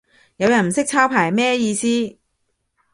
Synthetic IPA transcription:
jɐ˨˧wjɐ˨˩nm̩˨˩sɪ˥k̚t͡sʰaː˥wpʰaː˨˩jmɛː˥jiː˧siː˥

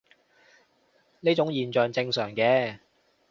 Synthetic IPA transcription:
neː˥t͡ʃʊ˨˥ŋjiː˨˩nt͡ʃœː˨ŋt͡sɪ˧ŋsœː˨˩ŋkɛː˧

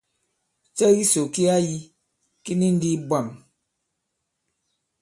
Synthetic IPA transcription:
t͡ʃɛ˦ɣi˦so˨ki˦a˦ji˦ | ki˦ni˦n̩˦di˦bwa˨m

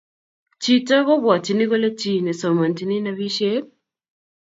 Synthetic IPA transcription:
t͡ʃita˦βo˦βwa˨ti˨ni˦ko˦le˦t͡ʃi˨ne˨so˨ma˨nti˨ni˦na˦βiʃe

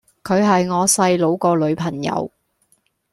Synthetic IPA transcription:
kʰɵ˨˧ɥɦɐ˨jŋɔː˨˧sɐ˧jlo˨˧wkɔː˧lɵ˨˧ɥpʰɐ˨˩ŋjɐ̰˨˧w

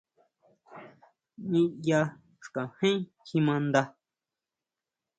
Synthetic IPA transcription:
ɲĩ˦ja˧ | ʂkã˨hẽ˦kĩ˧mã˧nd̪a˧

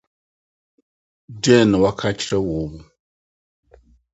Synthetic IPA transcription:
dɛ˦˨na˨wa˦kʰa˦t͡ʃɾa˦wo˨βu˦

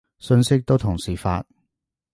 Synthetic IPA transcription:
sɵ˧nsɪ˥k̚t̪o˥wt̪ʰʊ˨˩ŋsiː˨˩fa̰ː˧t̚

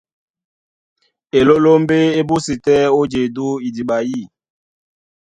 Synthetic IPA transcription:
e˨lo˦lo˦m˦be˦e˦bu˦si˨tɛ˦o˦d͡ʒe˨du˦i˨di˨ɓa˨ji˦˨

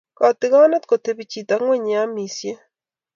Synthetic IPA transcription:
kɔ˨ti˦ɣa˦ne˦tko˨te˦βi˨t͡ʃi˨ta˨ŋwɛ˦˨ɲ˨a˦mi˨sje˦

